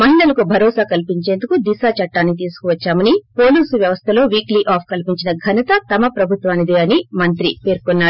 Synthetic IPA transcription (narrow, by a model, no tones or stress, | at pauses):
mɐɦiɭɐlɐkubʱɐɾɔːsaːkɐlpiɲt͡ʃe̞ːnd̪ukud̪isaːt͡ʃɐʈːaːnːit̪̬iːsu̥kuʋɐt͡ʃːaːmɐnipo̞ːluːsuʋjɐʋɐst̪ʰɐlo̞ːʋiːkliʔaːpʰkɐlipiɲt͡ʃinɐɡʱɐnɐt̪ɐt̪ɐmɐpɾɐbʱut̪ʋaːnid̪eːɐnimɐnt̪ɾipe̞ːɾkonːaːɾu